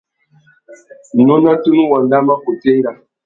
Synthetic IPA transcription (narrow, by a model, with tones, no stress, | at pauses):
no˦na˦tu˦nu˦wa˨nda˦ma˦ko˨te˦ŋ˦ɡa˨